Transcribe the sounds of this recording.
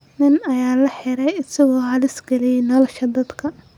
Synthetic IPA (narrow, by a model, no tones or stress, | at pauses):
nɪnɐjaːlɐħɪɾɛjɪsɐɣɔːɦalɪsɡɐlɪjɛnɐlɐʃɐd̪ɐd̪kʰɐ